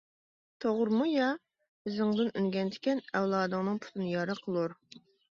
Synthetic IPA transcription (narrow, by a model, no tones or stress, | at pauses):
t̪ʰoʁʊɾmujɑ | bɪzɪŋd̪ɪnynɡʲɛnd̪ʰɪ̥kʲɛnɛwlˠɑːd̪ɨŋnɨŋpʰu̥t̪ʰɨnɨjɑɾəqʰəlˠuɾ